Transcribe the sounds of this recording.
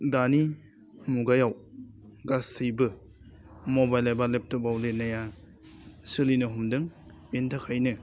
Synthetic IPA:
dani | muɡajaw | ɡasʰɯjbɯ | mobajlajbalep̚tɯbawlenaja | sɯlinɯɦumdɯŋ | bentʰakʰajnɯ

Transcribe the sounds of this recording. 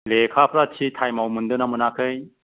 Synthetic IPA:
lekʰapʰɾat͡ʃʰitʰajmawmɯndɯnamɯnakʰɯj

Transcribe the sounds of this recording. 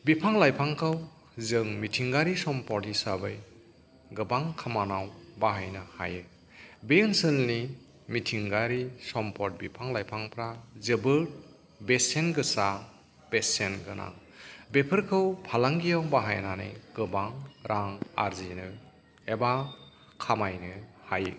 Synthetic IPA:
bipʰaŋlajpʰaŋkʰɯw | zɯŋmitʰiŋɡaɾisɔmpɔɾtisabɯj | ɡɯbaŋkʰamanawbaɦajnaha̰jɯ | bensɯlni | mitʰiŋɡaɾisɔmpʰɔt̚bipʰaŋlajpʰaŋpʰɾazɯbɯɾ | besenɡɯsa | b̥esenɡɯnʔa̰ŋ | bepʰɯɾkʰɯwpʰalaŋɡijawbaɦajnanɯ̰jɡɯbaŋɾʔaŋa̰ɾzinɯ | eba | kʰamajnɯhajɯ

